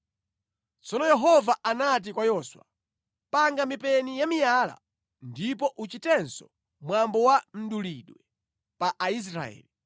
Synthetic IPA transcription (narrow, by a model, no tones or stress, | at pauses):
t͡sɔnɔjɛɦɔvaʔanat̬ikwajɔːswa̰ | paŋɡamipɛnijamijaːla̰ | ndipɔʔut͡ʃitɛnsɔ | mwambɔwam̩ɗuliɗwɛ | paʔais̬ɾa̰ɛ̰ːli